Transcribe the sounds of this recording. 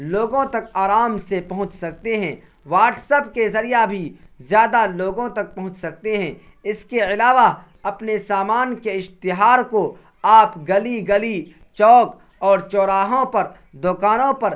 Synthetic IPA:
loːɡõt̪ɐkaːɾaːmsepɐɦʊ̃t͡ʃsɐk̚t̪eɦɛ̃ː | ʋaːʈsəpkezɐɾijabʱizjaːd̪aloːɡõt̪ɐk̚pɐɦʊ̃t͡ʃsɐk̚t̪eɦɛ̃ | ɪskeɪlaːʋa | ɐpnesaːmaːnkeɪʃt̪ɪɦaːɾko | aːpɡɐliɡɐli | t͡ʃɔːk | ɔːɾt͡ʃɔːɾaːɦõpɐɾ | d̪ʊːkaːnõpɐɾ

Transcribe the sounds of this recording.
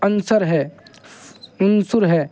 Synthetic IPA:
ənsəɾɦɛː | ʊnsʊɾɦɛː

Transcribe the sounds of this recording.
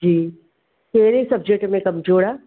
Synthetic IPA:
d͡ʒiː | teːɾesɐb̚d͡ʒeʈmẽkɐmd͡ʒoːɽaː

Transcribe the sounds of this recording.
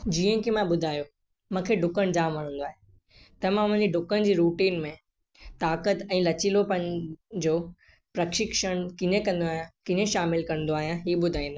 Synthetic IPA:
d͡ʑiːə̃kʰemãɓʊd̪ʱaːjo | mãːkʰeːɖʱʊkəɽ̃d͡ʑaːmʋɐɽ̤ə̃ːn̆d̪oaːɦe | t̪ɐmãʊ̃n̤ẽɲd͡ʑiɖʱʊkəñɪ̆d͡ʑiːɾuːʈiːnmẽ | t̪aːkət̪ɛ̃ːlɐt͡ɕɪlopɐ̃ɦɪ̃nd͡ʑoː | pɾɐkʃɪkʃəɽ̃kɪɲẽkɐ̃nd̪oaːɦijãkɪ̃ɲẽʃaːmɪlkɐ̃n̆d̪oaːɦijãɦiːɓʊd̪ʱaːĩːnd̪aː

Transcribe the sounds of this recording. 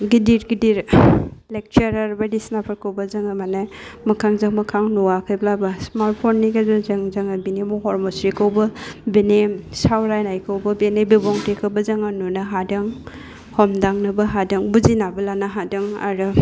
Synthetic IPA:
ɡidiɾɡidiɾlek̚t͡ʃaɾaɾbadisnapʰaɾkʰawbɐzɐŋamanamɐkʰaŋzaŋmɐkʰaŋnuwakʰajblabasmaɾt̚pʰonːiɡazɔzɐŋzaŋabinemɔɦɔɾmɔsɾikʰawbɐbenesawɾajnajkʰawbɐbenebebɔŋtʰekʰawbɐzaŋanunaɦadɯŋ | hɔmdaŋnɐbɐɦadɯŋbuzinabɐlanaɦadɯŋa̰ɾɯ

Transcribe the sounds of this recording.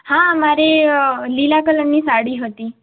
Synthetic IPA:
hãmaɾelilakələɳːiːsaɽiːɦot̪iː

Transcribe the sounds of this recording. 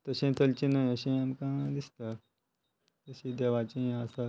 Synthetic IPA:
t̪əɕẽt̪ʰəlt͡ɕinajəɕẽamkãd̪ist̪a | t̪əɕẽd̪eʋat͡ɕẽɦẽəsa

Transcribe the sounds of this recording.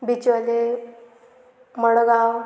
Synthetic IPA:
bit͡ɕəle | məɽəɡaw

